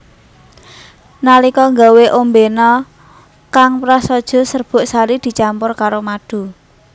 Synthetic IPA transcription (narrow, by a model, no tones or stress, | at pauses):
nalikɔŋɡaweʔombenɔ | kaŋpɾasɔd̥ʒ̥ɔ̤sərb̥ʊ̤ʔsaɾid̪̥i̤t͡ʃampʊrkaɾomad̥ṳ